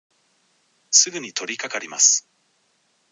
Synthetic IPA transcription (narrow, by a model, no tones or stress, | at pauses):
sɨɡɯ̟ɲ̟it̪ʰo̞ɾʲikakaɾʲimasɨ̥